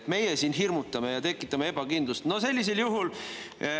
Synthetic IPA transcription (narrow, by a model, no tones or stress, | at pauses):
t̪me̞jesiːnɦirmut̪ːˑɑme̞jɑt̪e̞kːˑit̪ˑːɑmee̞bɑkind̪̥lust̪no̞se̞lʲːis̬eljuɦul